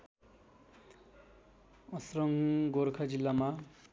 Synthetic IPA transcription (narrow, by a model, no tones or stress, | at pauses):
ʌsrʌŋɡoɾkʰad͡zilːama